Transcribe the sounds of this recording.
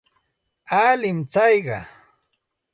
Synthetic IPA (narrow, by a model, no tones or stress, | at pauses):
alɪmt͡sɑjɢɑ̰